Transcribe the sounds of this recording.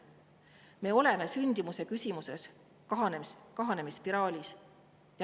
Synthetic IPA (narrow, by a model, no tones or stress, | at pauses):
me̞ːo̞le̞me̞synd̪̥imuse̞kysʲimuse̞s | kɑɦɑnemskɑɦɑne̞mispiɾɑːlʲis | jɑ